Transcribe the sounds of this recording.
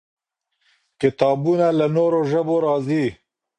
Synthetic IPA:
kɪt̪ɑːbunalanoːɾoʒəboɾɑːzi

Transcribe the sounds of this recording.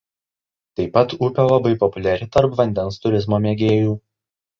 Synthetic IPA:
t̪ɐɪpːɐt̪upʲoːlˠɐbɐɪpɔpʊlʲɛɾʲɪt̪ɐɾpʋɐnʲd̪ʲɛnst̪ʊɾʲɪzmoːmʲeɡʲeːjuː

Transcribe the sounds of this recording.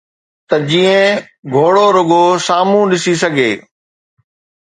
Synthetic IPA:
t̪ɐd͡ʑiːə̃ | ɡʱoːɽoɾʊɡosaːmũɗɪsis̬ɐɡʱḛː

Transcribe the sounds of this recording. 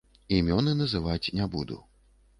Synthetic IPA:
imʲɔnɨnɐzɨvat͡sʲnʲabud̪ṵ

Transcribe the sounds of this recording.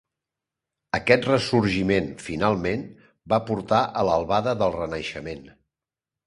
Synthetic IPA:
əkɛt̪rəsuɾʒimenfinalˠmen | bapuɾt̪aʔələlˠβaðəðəlˠrənəʃəmen

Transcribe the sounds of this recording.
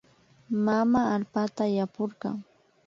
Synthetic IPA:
mamaːlpat̪ajapoɾɢɑ̰ŋ

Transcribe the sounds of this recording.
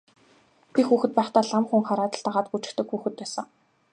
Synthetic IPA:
t̪ʰixuːxɘ̆t̪̚pæːχt̪aːɮamχuŋχaɾaːt̪ə̆ɮt̪aʁaːt̪̚ɡut͡ɕɪ̥̆kt̪ɘ̆kxuːxɘ̆t̪̚pæːsə̆ŋ

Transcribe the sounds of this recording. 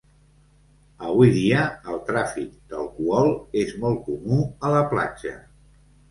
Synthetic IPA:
əβuiðiəːlˠt̪ɾafik̚d̪əlˠkuɔlˠezmɔlˠkumuələpla̰d͡ʒə̰

